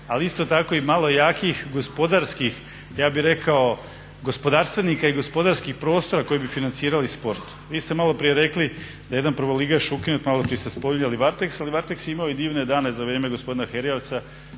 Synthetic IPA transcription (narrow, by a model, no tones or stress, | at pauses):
aliist̪o̞t̪ako̞imalˠo̞jaːkixɡo̞spo̞d̪aɾskix | jaːbiɾe̞kao | ɡo̞spo̞d̪aːɾst̪ʋenikaiɡo̞spo̞d̪aɾskixpɾo̞ːst̪o̞ɾako̞jibifinant̪siːɾalispo̞ɾt̪u̥ʋiːst̪e̞malˠo̞pɾijeɾe̞kli | d̪aje̞d̪anpɾrʋolˠiɡaʃukinut̪malˠopɾiest̪espoʎɲaliʋaɾt̪eksaliʋaɾt̪eksjimaoid̪iːʋned̪aːnezaʋɾeːme̞ɡospo̞d̪inaxeɾioʋt̪sa